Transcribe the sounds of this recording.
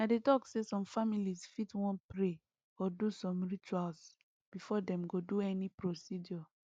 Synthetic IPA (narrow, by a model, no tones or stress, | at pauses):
nadetɔksesɔ̃mfamilisfitwɔ̃npɹe | ɔdusɔ̃mɹit͡ʃuals | b̥ifɔdɛ̃mɡoduɛnipɹosid͡ʒɔ